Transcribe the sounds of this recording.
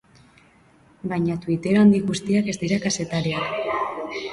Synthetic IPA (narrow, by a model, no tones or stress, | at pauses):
bajɲat̪uit̪e̞ɾoand̪iɣust̪iake̞zd̪iɾakase̞t̪aɾia